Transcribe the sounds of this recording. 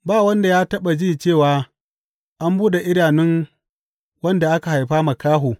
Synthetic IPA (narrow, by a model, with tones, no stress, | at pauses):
baː˦˨wɐ˦nda˨jaː˦tɐ˦ɓa˨d͡ʒiː˦˨t͡ʃeː˦˨waː˦ | ʔa˦mbuː˦ɗe˨ʔɪ˦ɽaː˨nɪ˦ŋ | wɐ˦nda˨ʔa˦ka˨ha˨jɸaː˦ma˨kaː˦ɦoː˨